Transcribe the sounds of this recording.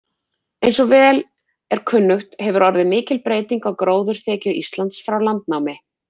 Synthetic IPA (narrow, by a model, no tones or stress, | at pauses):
ejnsɔɣvɛːl | ɛɾ̥kʰʏnːʏxt̪hɛvʏɾɔɾðɪmɪːcɪlpɾeːjt̪iŋkɔɣkɾoːwðʏɾ̥θɛːcʏist̪lant̪sfɾawlant̪̚nawmɪ